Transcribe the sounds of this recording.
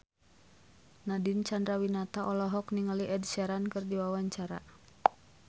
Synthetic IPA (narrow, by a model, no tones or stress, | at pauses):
nadint͡ʃandɾawinat̪aʔɔlɔɦɔkniŋaliʔɛdʃɛɾankɨrdiwawaɲt͡ʃaɾa̰